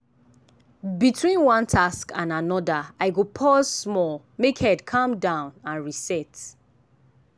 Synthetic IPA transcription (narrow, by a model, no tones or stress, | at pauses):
bitʰwĩnwɔ̃ntʰaskãnanɔdaaɪɡopʰɔzmɔl | mekhɛdkʰãmdãʊ̃nãnɹisɛt